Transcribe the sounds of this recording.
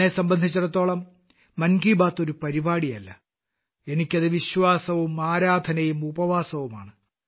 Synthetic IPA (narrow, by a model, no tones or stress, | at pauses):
nesɐmbɐnd̪ʱit͡ɕːuɽɐt̪ːo̞ːɭɐmː | ɐnɡiːbaːt̪ːo̞ɾupɐɾibaːɽijɐlːɐ | e̞nikʲːɐðɨʋiɕʋaːsɐʋumaːɾaːd̪ʱɐnɐjumubɐʋaːsɐʋuma̰ːɳɨ